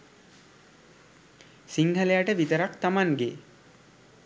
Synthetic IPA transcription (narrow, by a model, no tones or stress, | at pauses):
siŋhəlejaʈəʋit̪əɾakt̪amaŋɡe